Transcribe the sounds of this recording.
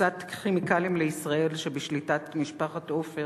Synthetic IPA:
atχimikalimleisʁae̞lʃebeʃlitatmiʃpaχatofe

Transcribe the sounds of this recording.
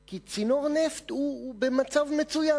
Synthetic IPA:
kit͡sino̞ʁneft̪ubemat͡savme̞t͡suja

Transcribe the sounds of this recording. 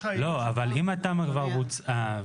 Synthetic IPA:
loavalimat̪amakvaʁbut͡sa

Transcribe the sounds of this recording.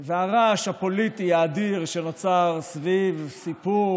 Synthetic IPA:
veaʁaʃhapolit̪iaːd̪iʁʃenot͡saʁsvivsipu

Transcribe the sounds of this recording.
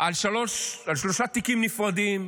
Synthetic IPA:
ʔalʃaloʃalʃloʃat̪ikimnifʁad̪im

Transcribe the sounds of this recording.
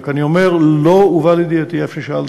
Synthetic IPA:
kaniomeʁlouvalid̪iat̪iefʃeʃal

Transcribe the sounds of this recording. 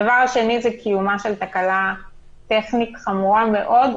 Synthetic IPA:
avaʁaʃe̞nizɛkʰijumaʃelt̪akala | t̪eχnitχamuʁameʔo̞d

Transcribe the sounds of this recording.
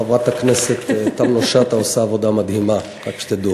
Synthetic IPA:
avat̪akneset̪t̪ːamnoʃat̪aosaːvod̪amad̪hima | kakʃt̪ed̪u

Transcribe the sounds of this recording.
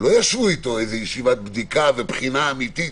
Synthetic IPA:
lo̞jaʃvuit̪o̞ejzejeʃivat̪̚bd̪ikavepχinaːmit̪it

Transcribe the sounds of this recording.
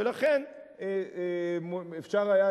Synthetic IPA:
elaχen | e | mefʃaʁaja

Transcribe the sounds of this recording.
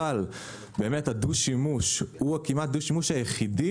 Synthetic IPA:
al | beːmethaduʃimuʃhuakimat̪̚d̪uʃimuʃajeχidi

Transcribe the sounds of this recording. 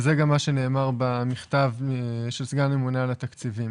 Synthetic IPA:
zeɡamːaʃe̞ne̞ːmaʁbamiχt̪avʃelsɡalne̞munalat̪akt͡sivim

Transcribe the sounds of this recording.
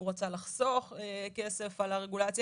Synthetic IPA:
uʁat͡salaχso̞χeke̞se̞falaʁeɡulat͡sj

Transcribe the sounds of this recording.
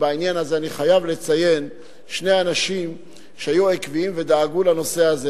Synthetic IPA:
bainjanazeaniχajavlet͡saje̞n | ʃneanaʃim | ʃeajuekviimved̪aːɡulano̞se̞aze

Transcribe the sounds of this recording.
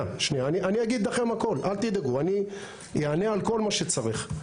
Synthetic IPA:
aʃnijaːniʔaniaɡid̪laχe̞mako̞lʔalt̪id̪aɡuani | jeane̞alko̞lmaʃet͡saʁiχ

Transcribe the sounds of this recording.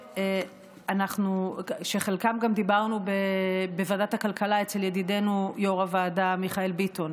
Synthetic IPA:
e | anaχnuʃeχe̞lkamɡamd̪ibaʁnubebevadatakalkalaet͡seljedide̞nujoʁavaːdamiχaelbiton

